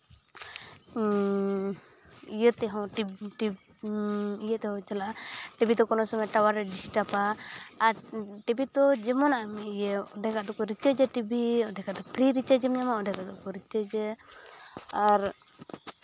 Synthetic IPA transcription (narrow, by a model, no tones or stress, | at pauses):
ijət̪ɛɦɔ̃ʈiʈi | ijət̪ɛɦɔ̃t͡ʃalaʈibʱit̪ɔkɔnɔsɔmɛʈawaɾɛɖisʈapaːɾʈibʱit̪ɔd͡ʒɛmɔnaʔmɛijɛɔd̪ɛkaʔd̪ɔkɔɾit͡ʃɛd͡ʒɛʈibʱiɔd̪ɛkad̪ɔpɾiɾit͡ʃɛd͡ʒɛmɲamaɔd̪ɛkad̪ɔkɔɾit͡ʃɛd͡ʒɛ | aɾ